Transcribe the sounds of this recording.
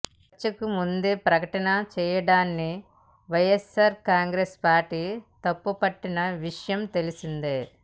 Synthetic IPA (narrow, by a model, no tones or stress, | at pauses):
t͡ʃːɐkumund̪eːpɾɐkɐʈɐnɐt͡ʃɛːjɐɽaːnːi | ʋɐjesɐːɾkaːŋɡɾeːspaːɾʈiːt̪ɐpːupɐʈːinɐʋiʂɐjɐmt̪e̞lisind̪eː